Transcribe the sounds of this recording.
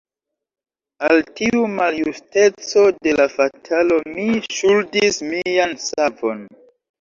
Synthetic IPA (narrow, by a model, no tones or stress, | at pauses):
altiumaljuste̞t͡so̞de̞lafatʰalo̞miʃuldismiansavo̞̰n